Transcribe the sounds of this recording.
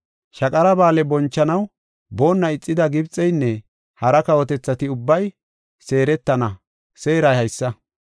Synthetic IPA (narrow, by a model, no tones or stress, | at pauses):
ʃɐkʼɐɾɐbaːlɛbɔnt͡ʃːɐnɐw | bo̞ːnːɐɪt͡sʼːɪd̪ɐɡɪbt͡sʼːɛjnːɛ | hɐɾɐkɐwɔt̪ɛt͡sːɐt̪ɪʊbːɐj | se̞ːɾɛt̪ːɐnɐ | se̞ːɾɐjhɐjsːɐ